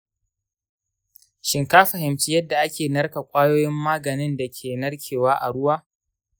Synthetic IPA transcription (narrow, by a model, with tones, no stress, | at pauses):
ʃɪ˨ŋkaː˦ɸɐ˨ɦɪ˨mt͡ʃi˦jɐ˦dːa˨ʔa˦kʲeː˨nɐ˦ɽka˨kʷʼaː˦joː˦jɪ˦mːaː˦ɡɐ˨nɪ˦nda˨kʲʰeː˨nɐ˦rkʲʰeː˨waː˦ʔa˨ɽʊ˦waː˦